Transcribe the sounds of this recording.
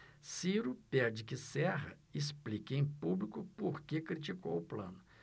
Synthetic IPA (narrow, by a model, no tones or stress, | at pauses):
siɾʊpɛɾd͡ʒɪkɪsɛʁɐ̰ɪsplikẽj̃publikʊpoɾkekɾit͡ʃikowʊplɐ̰̃nʊ